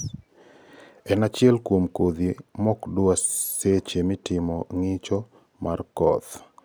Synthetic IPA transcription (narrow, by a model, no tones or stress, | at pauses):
ɛnat͡ʃɪɛlkwomkod̪imɔkdʊaset͡ʃemɪtɪmɔŋɪt͡ʃɔ | markɔt̪